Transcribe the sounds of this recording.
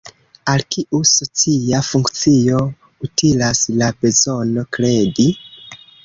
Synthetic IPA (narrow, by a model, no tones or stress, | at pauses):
alkiʔuso̞t͡siafuŋkt͡sijo̞ | utilaslabe̞zo̞no̞kɾe̞di